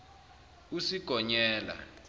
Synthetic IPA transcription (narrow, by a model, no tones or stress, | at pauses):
usiɡ̥ʱɔɲɛːla̰